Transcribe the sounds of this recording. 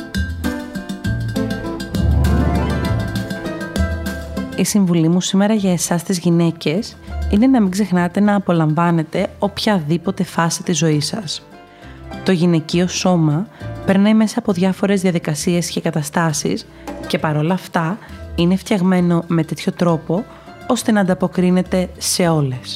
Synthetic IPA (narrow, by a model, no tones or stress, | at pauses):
isiɱvulimusime̞ɾɐʝɐe̞sɐst̪izʝine̞ce̞sine̞nɐmiɡze̞xnɐt̪e̞nɐːpo̞lɐɱvɐne̞t̪e̞o̞pçɐðipo̞t̪e̞fɐsit̪izo̞isɐs | t̪o̞ʝine̞cio̞so̞mɐpe̞ɾnɐjme̞sɐːpo̞ðʝɐfo̞ɾe̞zðiɐðikɐsie̞sce̞kɐt̪ɐst̪ɐsḭs | ce̞pɐɾo̞lɐːft̪ɐine̞ft̪çɐɣme̞no̞me̞t̪e̞t̪ço̞t̪ɾo̞po̞ | o̞st̪e̞nɐːnd̪ɐpo̞kɾine̞t̪e̞se̞o̞le̞s